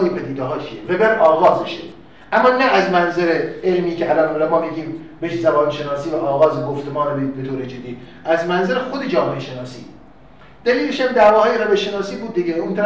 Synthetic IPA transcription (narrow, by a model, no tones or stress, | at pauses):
jepʰæd̪iːd̪eɦɒːt͡ʃʰieɾebeɾɒːɣɒːzeʃe | ʔæmːɒːnæʔæzmænzæɾeelmiːcʰeælɒːnolɛmɒːmiːɡʲiːmbeʃzæbɒːnʃenɒːsiːvæʔɒːɣɒːzeɡoft̪emɒːnebbet̪oːɾed͡ʒed̪ːiː | æzmænzæɾexod̪ed͡ʒɒːmeʔeʃenɒːsḭː | d̪̥æliːleʃæmd̪æːvɒːhɒːjeɾebeʃenɒːsiːbuːd̪̚ːiɡeunt̪ʰæɾæ